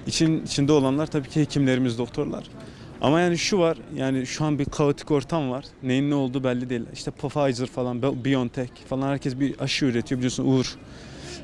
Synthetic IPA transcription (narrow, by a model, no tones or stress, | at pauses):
it͡ʃʰiit͡ʃʰind̪ɛo̞lˠanlˠaɾt̪ʰabiːcʰihecʰimlʲe̞ɾimizd̪o̞k̚t̪ʰo̞ɾlˠa̰ɾ̥ | a̰majaːniʃuvaɾ̥jaːniʃuanbikʰaɯt̪ʰi̥co̞ɾt̪ʰamvaɾ̥ | nejinːɛo̞lˠd̪uːbɛlʲːid̪ejlʲːæ̰ɾiʃt̪ʰɛpʰafajzɯɾfalˠanbbijont̪ʰɛcfalˠanhæɾcʰɛsbiaʃɯøɾet̪ʰijo̞bilʲiosunʔuɾ